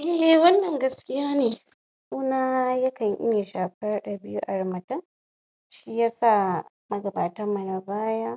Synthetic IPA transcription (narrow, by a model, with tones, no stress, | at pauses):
ʔɛ˦ʔɛ˨wɐ˦nːɐ˨ŋɡɐ˦skʲɪ˦jaː˦neː˨ | ʔuː˦naː˦jɐ˦kɐ˨ɲʔɪ̰˦ja˨ʃaː˨kɐ˦rɗa˨bɪ˦ju˦ʔa˨ɽmɐ˨tɐ˦ŋ | ʃiː˦jaː˦sa˦˨ | mɐ˦ɡɐ˨baː˨tɐ˦rmɐ˨na˨baː˦jaː˦